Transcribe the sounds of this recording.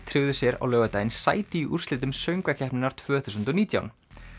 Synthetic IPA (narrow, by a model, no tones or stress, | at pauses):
t̪ʰɾɪwðʏsjɛɾa̰wlœːɣat̪ajɪnsaːjt̪ɪiʔur̥slɪːt̪̬ʏmsœɥŋkvacʰɛhpnɪnaɾ̥t̪ʰv̥œːθu̥sʏnt̪ɔniːt̪ja̰wn